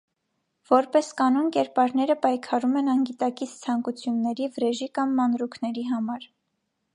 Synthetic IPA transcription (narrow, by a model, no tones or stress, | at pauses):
v̥ɔɾpɛskɑnunkɛɾpɑɾnɛɾəpɑjkʰɑɾumɛnɑŋɡit̪ɑkit͡sʰt͡sʰɑŋkut͡sʰjunːɛɾivəɾɛʒikɑmːɑnɾukʰnɛɾiɦɑmɑɾ